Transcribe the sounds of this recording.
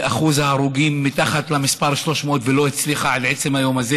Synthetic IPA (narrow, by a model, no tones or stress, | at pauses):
ʔaχuzaːɾuɡimːit̪aχat̪lamispaʁʃlo̞ʃmot̪velo̞it͡sliχaʕadʕet͡semhajo̞maze